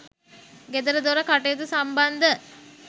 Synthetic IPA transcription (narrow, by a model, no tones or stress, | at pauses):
ɡed̪əɾəd̪oɾəkaʈejd̪usamband̪ə